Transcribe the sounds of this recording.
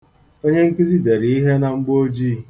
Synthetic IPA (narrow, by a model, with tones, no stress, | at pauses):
o˦ɲe˦ŋ̩˦ki˦zi˦de˨ɾi˨i˦ɦe˦na˨ŋ͡m̩˦ɡ͡bo˦d͡ʒi˦˨